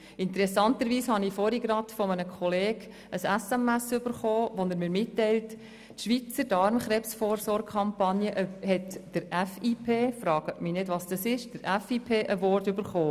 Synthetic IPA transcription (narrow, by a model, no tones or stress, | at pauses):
ɪntəɾɛsɑntəɾʋiːshɑnifɔɾiɡɾɑtfɔminəkʰɔleːɡ | əsæsæmæsʏbəɾχoːʋonəɾmɪːɾmɪtːɛɪlt | ʃʋit͡sədɑɾmχɾɛpsfɔːɾsɔːrχɑmpɑnjəʔhɛtd̥əɾæfiːpʰeːfɾɑːɡ̥ətmɪnɪdʋɑsd̥ɑsɪʃd̥əɾæfiːpʰeːʔəʋɔrtʏbəɾχoː